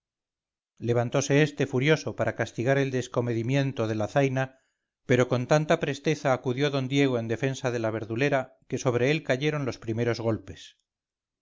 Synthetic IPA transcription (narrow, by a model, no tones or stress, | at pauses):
le̞β̞ant̪o̞se̞est̪e̞fuɾjo̞so̞paɾakast̪iɣaɾe̞ld̪e̞sko̞me̞ðimje̞nt̪o̞ðe̞laθajna | pe̞ɾo̞ko̞nt̪ant̪apɾe̞st̪e̞θaːkuðjo̞ðo̞nd̪je̞ɣ̞o̞e̞nd̪e̞fe̞nsaðe̞laβ̞e̞ɾðule̞ɾa | ke̞so̞β̞ɾe̞elkaʝe̞ɾo̞nlo̞spɾime̞ɾo̞zɣo̞lpe̞s